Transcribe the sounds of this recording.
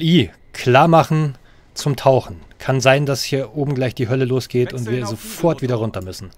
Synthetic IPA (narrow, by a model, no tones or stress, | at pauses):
iː | kʰl̥aːɐmaχn̩ | t͡sʊmtʰaʊxn̩kʰanzaɪndashiːɐʔoːbm̩ɡlaɪçd̥iːɦœləloːsɡ̥eːtʊntv̥iːɐzofɔɐtviːdɐʁ̞ʊntɐmʏsn̩